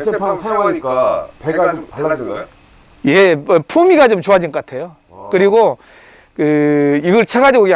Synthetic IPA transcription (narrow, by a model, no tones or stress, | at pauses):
sʰeepʰansʰajaŋɦaɲik͈apeɡad͡ʑomtaɭːad͡ʑinɡao | jepʰumiɡat͡ɕomt͡ɕoad͡ʑinɡʌk͈atʰe̞jo | kɯɾiɡo | kɯiɡʌɭt͡ɕʰeɡad͡ʑiɡoɡe